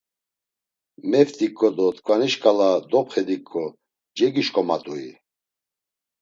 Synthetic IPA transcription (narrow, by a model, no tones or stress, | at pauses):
mɛft̪ʼikʼːɔd̪ɔt̪ʰkʰʼvaniʃkʼalad̪ɔpχɛd̪ikʼːɔ | d͡ʒɛɡiʃkʼɔma̰t̪ʼui